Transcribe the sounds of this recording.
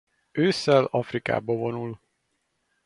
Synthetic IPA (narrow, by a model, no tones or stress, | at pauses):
øːsɛlɒfrika̰ːbɒvo̞nul